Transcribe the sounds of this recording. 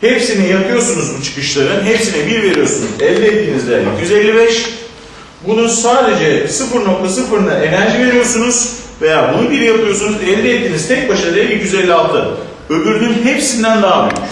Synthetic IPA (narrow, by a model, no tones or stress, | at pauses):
hepsinijapʰɯjo̞sunuzbut͡ʃʰɯ̥kɯʃlˠaɾɯnɦepsinɛbiɾve̞ɾijo̞sunuzɛlʲd̪ʲɛɛt̪ːiːnizd̪ɛlʲːicʰjyze̞lʲːibɛʃ | bunusaːd̪e̞d͡ʒɛsɯfɯɾno̞kt̪ʰas̬ɯfɯɾɯnaʔe̞næɾʒive̞ɾijo̞ɾsunuz̥ve̞jaːbunubiɾijapɯjo̞sunuzɛlʲd̪ʲɛɛt̪ːiːniz̥t̪ʰɛc̚baʃaɾɯd̪eicjyzelʲːialˠt̪ʰɯ | øbyɾd̪ynhepsind̪ænd̪aɦabyjy̰c